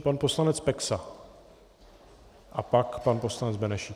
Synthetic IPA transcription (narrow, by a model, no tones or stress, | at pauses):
panpo̞slanɛt͡spɛksa | ʔapakpanposlanɛd͡zbɛnɛʃi